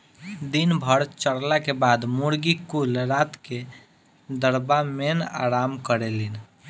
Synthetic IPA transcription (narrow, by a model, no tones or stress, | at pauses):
d̪inbʱəɾt͡ʃəɽlakebad̪muɽɡikulɾat̪ke | d̪əɾbamena̰ɾamkəɾelin